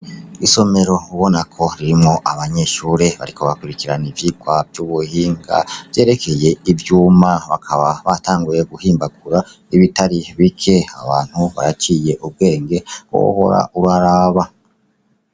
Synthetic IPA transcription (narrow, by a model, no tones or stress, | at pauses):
iso̞me̞ɾo̞uβo̞nakʰo̞ɾiɾimŋo̞ʔaβaɲe̞ʃuːɾe̞βa̰ɾiko̞βakuɾikiɾanivjikwavjuβuhiːŋɡa̰vje̞ːɾe̞kʰe̞je̞ivjuːmaβakʰaβaβataːŋɡuje̞ɡuhiːmbaɡuɾa | iβitaɾiβikʰe̞a̰βaːn̥huβa̰ɾat͡ʃiːje̞ʔub̚ɡe̞ːŋɡe̞wo̰ho̞̰ɾa̰ʔuɾaɾaβa